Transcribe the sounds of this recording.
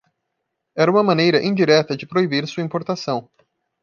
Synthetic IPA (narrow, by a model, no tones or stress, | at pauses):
ɛɾɐũmɐmɐ̃nejɾɐʔĩd͡ʒiɾɛt̪ɐd͡ʒɪpɾoibiɾsuɐĩpoɾt̪asɐ̃w̃